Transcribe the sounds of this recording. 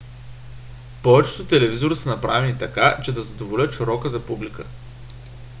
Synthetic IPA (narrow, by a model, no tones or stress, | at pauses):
pɔvɛt͡ʃt̪ot̪ɛlɛvizoɾisənɐpɾavɛnit̪ɐkat͡ʃɛd̪ɐzɐd̪ovolʲət̪ʃiɾɔkət̪əpublikə